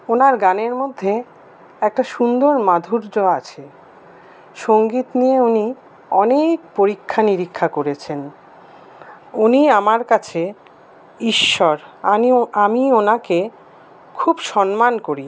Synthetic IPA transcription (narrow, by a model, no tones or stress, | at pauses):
onaɾɡaneɾmod̪ʱːe | ɛk̚ʈaʃund̪oɾmad̪ʱuɾd͡ʑoat͡ɕʰe | ʃoŋɡit̪nieuni | ɔnek̚poɾikʰːaniɾikʰːakoɾet͡ɕʰen | uniamaɾkat͡ɕʰe | iʃːɔɾaamionake | kʰubʃɔnmankoɾi